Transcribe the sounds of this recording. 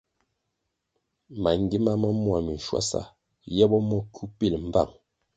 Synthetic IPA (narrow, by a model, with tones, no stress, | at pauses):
ma˨ŋ˦ɡi˦ma˦mə˦mwa˨mi˨n˨ʃwa̰˦sa̰˨ | jɛ˦bɔ˦mɔ˦kʰu˦pi˦˨lm̩˨ba˦˨ŋ